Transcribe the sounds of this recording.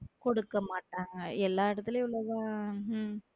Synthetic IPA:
kɔɽɯkːɐmaːʈːaːŋɡɐɛlːaːɪɽɐt̪ːɪleʊɭːɐʋãː

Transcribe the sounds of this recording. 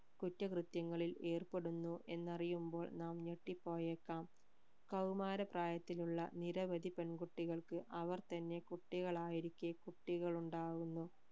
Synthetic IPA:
kutːɐkrɨt̪jɐŋːɐɭile̞ːrpe̞ɽunːuʔe̞nːɐrijumbo̞ːɭnaːmɲeʈːipːo̞ːjekːaːm | kɐwmaːɾɐpraːjɐt̪ːiluɭːɐniɾɐʋɐd̪ipenɡuʈːiɣɐɭkɨʔɐʋɐrt̪ɐnːe̞kuʈːiɣɐɭaːjiɾikʲːeɐkuʈːiɣɐɭuɳɖaːɣunːu

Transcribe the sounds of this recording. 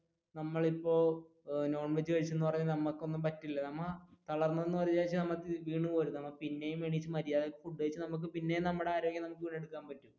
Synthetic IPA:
nɐmːɐɭipːo̞ː | no̞ːɳʋet͡ɕːɨkɐɻit͡ɕːenːɨpɐrɐɲːɐlnɐmːɐkːo̞nːumpɐtːilːɐnɐmːɐt̪ɐɭɐrnːɐnːɨʋɐɾiaːit͡ɕːɨnɐmːɐkːʋiːɳumoɾunːnɐmːɐpinːe̞jumeɳit͡ɕːɨmɐɾijaːðeokːefuɖːuɐɻit͡ɕːɨnɐmuk̬ːɨpinːejunɐmːuɽeaːɾo̞ːɡjɐnɐmukːɨʋiːɳe̞ɽukːaːnpɐtːum

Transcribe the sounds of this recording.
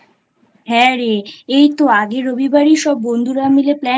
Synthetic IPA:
ɦɛ̃ɾeejt̪oaɡeɾobibaɾiʃɔbːond̪ʱuɾamileplɛ

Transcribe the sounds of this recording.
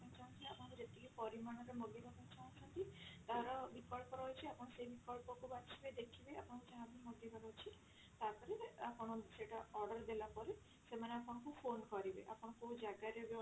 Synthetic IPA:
mt͡ʃaũŋkiapɔɾd͡ʒet̪ipɔɾimaɽ̃ɔɾemoɡibʱɔkɔnt͡ʃʰãt͡ʃʰɔnt̪it̪aɾɔbikɔlpɔɾɔjt͡ʃʰiapɔɽ̃ɔsebikɔlpɔkubat͡ʃʰibed̪ekʰibeapɔɽ̃ɔ̃kut͡ʃãabimoɡibʱaɾɔt͡ʃʰi | t̪akɔɾeapɔɽ̃ɔseʈaɔɾɖɔɾd̪elapɔɾe | semaneapɔɽ̃ɔkupʰonkɔɾibḛʔa̰pɔɽ̃ɔkud͡ʒaɡaɾeb

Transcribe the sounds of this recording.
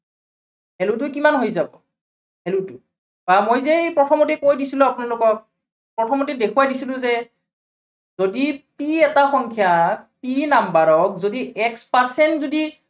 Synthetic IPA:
ɦɛlut̬ʊkimanɦojzabɔ | hɛlutʊ | b̥amojzepɹɔtʰɔmotikojdisilʊ̃apunalʊkɔk | pɹɔtʰɔmotidekʰuwadisilʊ̃zɛ | zodipiɛtaxɔŋkʰjapinambaɹɔk̚zodiɛkspaɹsɛntzodi

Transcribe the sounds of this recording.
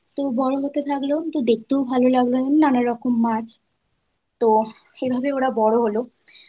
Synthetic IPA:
t̪obɔɽoɦot̪et̪ʰaklot̪od̪ek̚t̪owbʱalolaɡlonamnanaɾɔkomːad͡ʑ | t̪oebʱabeoɽabɔɽoɦolo

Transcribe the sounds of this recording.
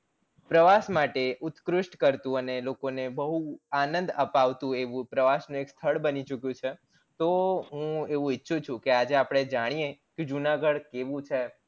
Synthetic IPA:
pɾəʋasmaʈeʔʊt̪kɾʊʃʈkəɾt̪ũənelokonebəɦuanə̃nd̪əpaʋt̪ũeʋũpɾəʋasnũekst̪ʰəɭbənit͡ʃukjũt͡ʃʰe | t̪oɦũeʋũɪtːʃʰũt͡ʃʰũkead͡ʒeapɽ̃ed͡ʒaɽ̃ijeked͡ʒunaɡəɽkeʋũt͡ʃʰe

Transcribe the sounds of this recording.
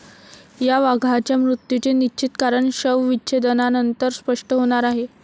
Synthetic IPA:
jaʋaɡʱat͡ɕjamɾut̪jut͡ɕenit͡ɕit̪kaɾəɳɕəʋʋiːɕʰed̪ənanənt̪əɾspəʂʈəɦoɽ̃aɾaɦe

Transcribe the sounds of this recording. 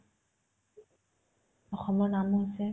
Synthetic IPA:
ɔxɔmɔnamɦosɛ

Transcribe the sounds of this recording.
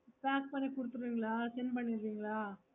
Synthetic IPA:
paːk̚pɐɳːikʊɽɯt̪ːɯɾiːŋɡɐɭaːsɛnpɐɳːiɾʋiːŋɡɐɭaː

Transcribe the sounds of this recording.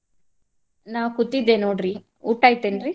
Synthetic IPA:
naːwkut̪ːid̪ːenoːɖɾi | uʈːaːjt̪eːnɾi

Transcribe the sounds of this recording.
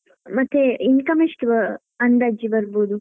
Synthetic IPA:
mɐt̪ːeinkɐmiʂʈ | ɐnd̪ɐd͡ʒibɐɾboːd̪u

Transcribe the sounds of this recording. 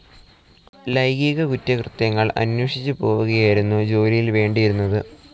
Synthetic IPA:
lɐjɡiːɣɐkutːɐkrɨt̪jɐŋːɐɭɐ̰nwɐʂit͡ɕːɨpo̞ːʋuɣɐjaːjiɾunːud͡ʑo̞ːlijilʋe̞ːɳɖijiɾunːɐðɨ

